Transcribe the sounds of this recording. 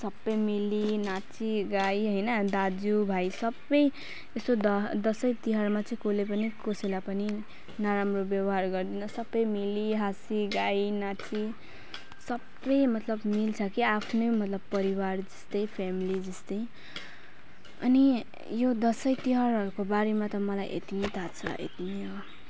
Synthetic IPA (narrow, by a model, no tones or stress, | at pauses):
sʌbʌjmilinat͡siɡajɦʌjnʌd̪ad͡zubʱajsʌbʌj | est̪od̪ʌd̪ʌsʌjt̪iɦʌrmat͡sʌĩkolepʌnikoselapʌni | naɾamrobjʌbʌɦarɡʌrd̪inʌsʌbʌjmiliɦasiɡajnat͡si | sʌbːʌjmʌt̪lʌbmilt͡sʰʌkiapʰnʌjmʌt̪lʌbpʌɾiward͡zʌst̪ʌjpʰamilid͡zʌst̪ʌj | ʌ̰ni | jod̪ʌsʌjt̪iɦʌɾʌɾukobaɾemat̪ʌmʌlajʔḛt̪imet̪ʰat͡sʰʌ̰ʔḛt̪imeʌ